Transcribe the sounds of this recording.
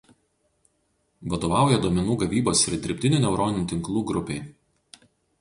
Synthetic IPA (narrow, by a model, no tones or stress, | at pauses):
ʋɐd̪oːʋɑˑʊjɛd̪oɔmʲɛnuːɡɐʋʲiːboːsɪɾʲd̪ʲɪɾʲɪpʲt̪ʲɪnʲʊnʲɛʊɾɔnʲɪnʲt̪ʲɪŋklˠuːɡɾʊpʲeɪ